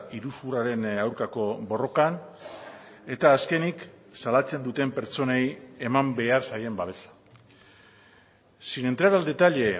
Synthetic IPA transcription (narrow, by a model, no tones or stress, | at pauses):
iɾusβuraɾe̞nawɾkako̞bo̞ro̞kan | e̞t̪aːske̞niksalat͡se̞nd̪ut̪e̞mpe̞ɾt͡so̞ne̞je̞mambe̞aɾsaje̞mbaβe̞sḁ | sinent̪ɾaɾald̪e̞t̪aʎe̞